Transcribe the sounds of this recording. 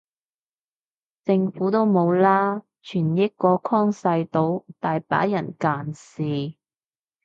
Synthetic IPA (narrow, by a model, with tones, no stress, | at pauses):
t͡sɪ˧ŋfuː˨˥t̪o˥wmo˨˧wlaː˥ | t͡ʃʰyː˨˩njɐ˥kɔː˧kʰɔː˥ŋsɐ˧jt̪o˧˥wt̪aː˨jpa̰ː˨˥jɐ˨˩nkaː˨nsiː˨